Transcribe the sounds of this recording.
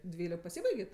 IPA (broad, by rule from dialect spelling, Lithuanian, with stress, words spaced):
ˈdʲʋʲiːlʲɪk pɐˈsʲiːbɐɪɡʲeː ˈtoː